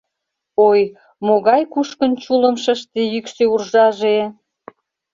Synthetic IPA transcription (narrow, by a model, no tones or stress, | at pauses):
oj | moɣɑjkuʃkənt͡ɕuləmʃəʃt̪ejykseurʒɑʒe